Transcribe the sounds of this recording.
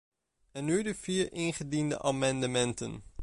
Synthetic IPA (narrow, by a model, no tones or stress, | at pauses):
ɛnːydəv̥iːɹɪnχədində̰ʔaːmɑndəmɛntə̰n